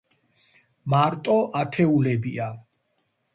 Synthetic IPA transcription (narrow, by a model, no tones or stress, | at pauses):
maɾt̪ʼɔʔat̪ʰɛulɛbia